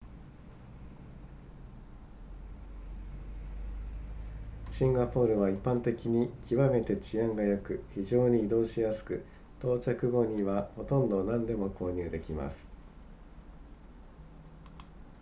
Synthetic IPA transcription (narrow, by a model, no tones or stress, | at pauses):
ɕĩŋɡapo̞ːɾɯ̟βaipːãnt̪e̞kʲiɲ̟ikʲiβame̞t̪e̞t͡ɕiãŋɡajo̞kɯ̟çiʑo̞ːɲ̟iːd̪o̞ːɕijasɨ̥kɯ̟ | t̪o̞ːt͡ɕakɯ̟ɡo̞ɲ̟iβaho̞t̪õ̞nd̪o̞nãnd̪e̞mo̞ko̞ːɲ̟ɨːd̪e̞kʲima̰sɨ̥